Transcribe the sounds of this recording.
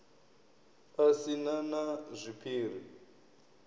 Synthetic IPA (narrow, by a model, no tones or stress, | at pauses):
asinanazʷipʰiːr̤i